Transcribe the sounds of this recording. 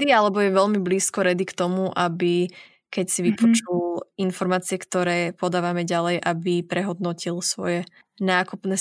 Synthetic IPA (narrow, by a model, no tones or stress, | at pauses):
ialɛbɔjɛʋɛʎmibliːskɔɾɛd̪ikt̪ɔmuʔabi | kɛcsiʋipɔt͡ʃulinfɔɾmaːt͡siɛkt̪ɔɾɛːpɔd̪aːʋamɛɟalɛjʔabipɾɛɦɔd̪nɔcilsʋɔ̰jɛ | naːkupnɛ